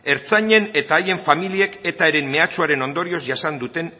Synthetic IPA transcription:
e̞ɾt͡saɲe̞ne̞t̪aːje̞ɱfamilie̞ke̞t̪aeɾe̞mːe̞at͡suaɾe̞no̞nd̪o̞ɾio̞sʝasand̪ut̪e̞n

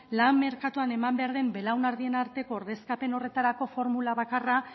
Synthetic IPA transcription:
lamːe̞ɾkat̪uane̞mambe̞aɾðe̞mbe̞lawnaɾðie̞naɾt̪e̞ko̞ːɾðe̞skape̞no̞re̞t̪aɾako̞fo̞ɾmulaβakara

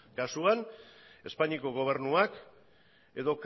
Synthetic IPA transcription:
kasuan | e̞spaɲiko̞ɣ̞o̞β̞e̞ɾnuak | e̞ðo̞k

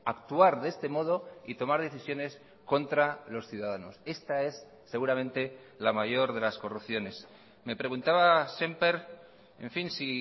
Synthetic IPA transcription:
akt̪uaɾðee̞st̪emo̞ð̞o̞it̪o̞maɾð̞e̞θisjo̞ne̞s | ko̞nt̪ɾalo̞sθjuðað̞ano̞se̞st̪ae̞sː | e̞ɣ̞uɾamẽ̞nt̪e̞ | lamaʝo̞ɾðe̞lasko̞rupθjo̞ne̞s | me̞pɾe̞ɣ̞unt̪aβasempeɾ | e̞̰ɱfinsi

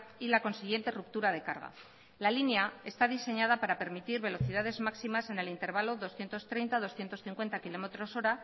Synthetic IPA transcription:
ilako̞nsiɣ̞je̞nt̪e̞rup̚t̪uɾað̞e̞kaɾɣa̰ | lalineae̞st̪aðise̞ɲað̞apaɾape̞ɾmit̪iɾβe̞lo̞θið̞aðe̞zmaksimase̞ne̞lint̪e̞ɾβ̞alo̞ðo̞sθje̞nt̪o̞st̪ɾe̞jnt̪aðo̞sθjent̪o̞sθiŋkwe̞nt̪akilo̞me̞t̪ɾo̞so̞ɾa

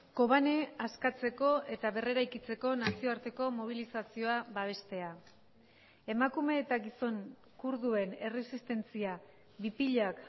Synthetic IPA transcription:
ko̞β̞ane̞askat͡se̞ko̞ʔe̞t̪aβe̞re̞ɾajkit͡se̞ko̞nasio̞aɾt̪e̞ko̞mo̞β̞ilisasio̞abaβ̞e̞st̪e̞a | e̞makume̞ːt̪aɡiso̞ŋ | kuɾðue̞ne̞re̞sist̪e̞nt͡sia | βipiʎak

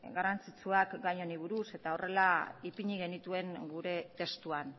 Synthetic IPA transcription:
ɡaɾant͡sit͡suakɡajɲo̞niβ̞uɾuse̞t̪ao̞re̞laipiɲiɣ̞e̞nit̪ue̞ŋɡuɾe̞t̪e̞st̪uan

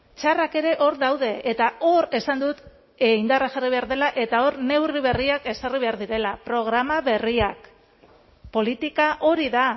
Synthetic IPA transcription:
t͡ʃarake̞ɾe̞ʔo̞ɾðawðe̞ʔːt̪ao̞ɾe̞sand̪ut̪ | eind̪araʝariβe̞aɾðe̞laʔe̞t̪ao̞ɾne̞wriβ̞e̞riake̞sariβ̞e̞aɾðiɾe̞lapɾo̞ɣ̞ɾamaβe̞riak | po̞lit̪ikaʔo̞ɾiða

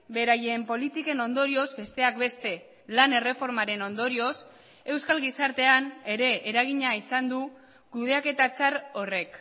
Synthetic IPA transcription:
be̞ɾaje̞ːmpo̞lit̪ike̞no̞nd̪o̞ɾio̞zbe̞st̪e̞ak̚be̞st̪e̞ | lane̞re̞fo̞ɾmaɾe̞no̞nd̪o̞ɾio̞s | e̞wskalɣisaɾt̪e̞ane̞ɾe̞ːɾaɣ̞iɲaisand̪u | kuð̞e̞ake̞t̪at͡saɾo̞re̞k

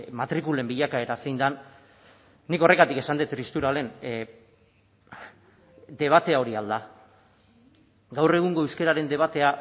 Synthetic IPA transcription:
mat̪ɾikule̞mbiʎakae̞ɾasejnd̪anː | iko̞re̞ɣat̪ike̞sand̪et̪ɾist̪uɾale̞n | d̪e̞β̞at̪e̞ao̞ɾiald̪a | ɡawre̞ɣ̞uŋɡo̞ewske̞ɾaɾe̞nd̪e̞β̞at̪e̞a

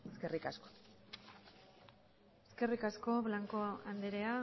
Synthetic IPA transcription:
eskerikasko̥ | eske̞rikasko̞βlaŋko̞and̪eɾea

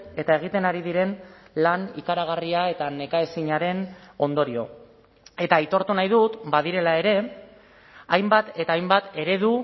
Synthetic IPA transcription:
e̞t̪ae̞ɣ̞it̪e̞naɾiðiɾe̞nlanikaɾaɣ̞ariae̞t̪ane̞kae̞siɲaɾe̞no̞nd̪o̞ɾio̞̰ | e̞t̪ait̪o̞ɾt̪unajðut̪baðiɾe̞lae̞ɾe̞ | ajmbat̪e̞t̪aːjmbat̪e̞ɾe̞ð̞u

